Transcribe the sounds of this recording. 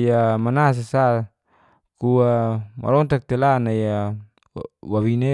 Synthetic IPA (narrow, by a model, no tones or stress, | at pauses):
ijamanas̬asa | kuama̰ɾɔnt̪ak̚t̪elanaija | wawine